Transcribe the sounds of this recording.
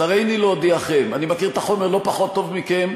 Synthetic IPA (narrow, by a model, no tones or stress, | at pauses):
aʁejnilod̪iaχemanimakiʁet̪aχo̞meʁlo̞paχo̞t̪ːo̞vmikem